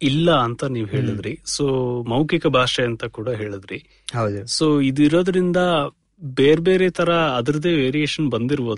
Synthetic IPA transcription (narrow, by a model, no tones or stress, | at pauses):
ilːɐːnt̪ɐniːʋuɦe̞ːɭid̪ɾisoːmɐwkikɐbʱaːʂɛɐnt̪ɐkuːɽɐɦe̞ːɭid̪ɾi | ɦɐwd̪usoːid̪iɾoːd̪ɐɾind̪ɐ | beːɾbe̞ːɾeːt̪ʰɐɾɐːd̪ɐɾɐd̪e̞ːʋeːɾieːʂɐnbɐnd̪iɾboːd̪u